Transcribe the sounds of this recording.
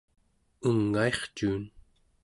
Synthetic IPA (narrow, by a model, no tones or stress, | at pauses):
uŋːae̞χt͡ʃuːn